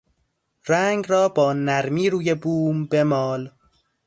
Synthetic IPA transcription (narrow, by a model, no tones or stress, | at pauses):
ɾæːŋɡrɒːbɒːnæɾmiːɾuːje̞buːmbe̞mɒːl